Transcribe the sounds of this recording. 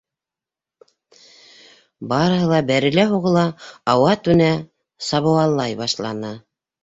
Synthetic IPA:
bɑɾɤ̆ɦɤlˠɑbæɾɘ̆læɦuʁɤ̆lˠɑːwɑt̪ʉnæ | sɑβɤ̆wɑlˠːɑjbɑʃlˠɑnɤ

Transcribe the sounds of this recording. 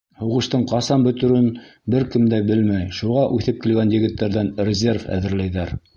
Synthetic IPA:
huʁɤ̆ʃt̪ɤɴqɑsɑmbɵ̆t̪ɵ̆ɾɘnbɘɾkɘmd̪æbɘlmæjʃuʁɑʔʉθɘp̚kilɡænjɘ̆ɡɘ̆t̪ːæɾðænrʲɪzʲe̞rfæ̰ðɘ̆ɾlæjðæɾ

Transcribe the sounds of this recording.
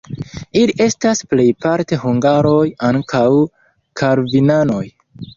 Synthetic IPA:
iliʔe̞stasple̞jpaɾte̞ɦuŋɡaɾo̞jaŋkʰaw | kʰaɾvinano̞j

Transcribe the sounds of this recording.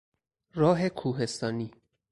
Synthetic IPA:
ɾɒːɦe̞kʰuːɦe̞st̪ɒːniː

